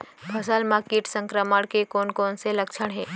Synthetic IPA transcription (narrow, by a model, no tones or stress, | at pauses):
bʰʱɐs̬əlmaːkeːʈsə̃ŋkɾəməɽ̃kekoːnkoːnselɐkʃʰəɽ̃ɦɛː